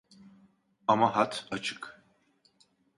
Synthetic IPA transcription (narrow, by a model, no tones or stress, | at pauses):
amaɦat̪ʰat͡ʃʰɯ̥k